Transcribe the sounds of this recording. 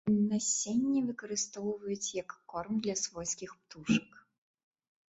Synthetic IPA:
nɐsʲenʲːivɨkɐɾɨst̪ɔwvɐjut͡sʲjɐkːɔrmd̪lʲɐsvɔsʲkʲixpt̪uʂɐk

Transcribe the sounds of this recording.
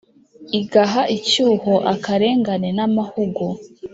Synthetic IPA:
iɡaɦaʔicuːhoʔakaɾe̞ːŋɡanenamahuɡu

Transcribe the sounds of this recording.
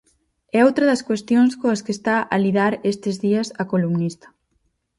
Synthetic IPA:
ɛowt̪ɾɐðɐskwest̪joŋskoɐskest̪aʔɐliðaɾest̪ɪzðiɐsɐkolumnist̪ɐ̥

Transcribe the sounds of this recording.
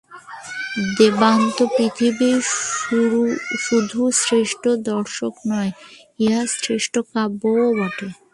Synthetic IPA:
d̪ebant̪opɾit̪ʰibi | ʃud̪ʱusɾeʃʈod̪ɔɾʃoknɔe | easɾeʃʈokaboobaʈe

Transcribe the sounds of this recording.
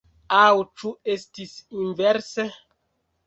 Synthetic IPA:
awt͡ʃuestisinveɾse

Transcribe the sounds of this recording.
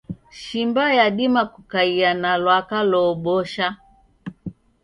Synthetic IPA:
ʃimbajaɗimakukaianalwakalɔɓɔʃa

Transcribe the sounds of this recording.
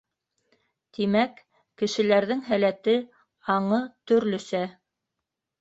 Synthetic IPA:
t̪imækː | ɘ̆ʃɘ̆læɾðɘŋɦælæt̪ɘ | ɑɴɤt̪ɵ̆ɾlɵ̆sæ

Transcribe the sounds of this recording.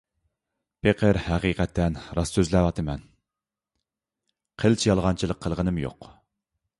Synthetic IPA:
pʰeqʰəɾhæqiːqʰɛt̪ːɛnɾɑsːøzlɛwɑt̪ʰɨmɛn | qʰəlt͡ʃʰijɑlˠʁɑnt͡ʃʰilˠəqʰːəlˠʁənɨmjo̰q

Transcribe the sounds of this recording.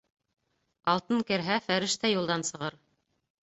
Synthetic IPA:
ɑlˠt̪ɤŋkɘ̆ɾɦæfæɾɘ̆ʃt̪æjulˠd̪ɑnsɤ̆ʁɤɾ

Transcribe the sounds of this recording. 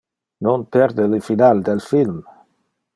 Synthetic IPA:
nonpɛɾd̪elifinald̪elfilm

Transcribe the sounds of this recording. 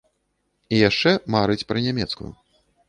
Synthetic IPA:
ijaʂt͡ʂɛmaɾɨt͡sʲpɾɨnʲamʲɛt̪skṵ

